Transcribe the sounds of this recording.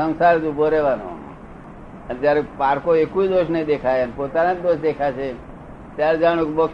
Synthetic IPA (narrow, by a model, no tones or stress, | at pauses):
ə̃nsaɾd͡ʒ̪ũbʱoɾeʋano̰a̰mã̰ | ənd͡ʒjaɾepaɾkoekuid̪oʃnəĩd̪ekʰajənepot̪anad͡ʒd̪oʃd̪ekʰat͡ʃʰe | t̪jaɾed͡ʒaɽ̃ũkebək